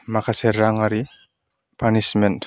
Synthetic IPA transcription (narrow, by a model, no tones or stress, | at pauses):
makʰasɛɾːaŋaɾi | pʰanismɛnt